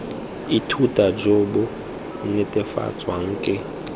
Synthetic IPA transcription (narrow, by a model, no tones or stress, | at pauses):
itʰutʼad͡ʒoɓɔ | nɛtʼɛfa̰t͡sʼwaŋ̩ːkʼɪ